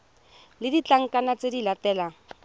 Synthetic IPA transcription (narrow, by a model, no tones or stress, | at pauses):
lɪdit͡ɬaŋ̩kʼanat͡sedilatɛːla